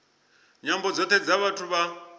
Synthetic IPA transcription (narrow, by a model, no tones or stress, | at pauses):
ɲambɔd͡zɔt̪ʰɛd͡zaβatʰuβa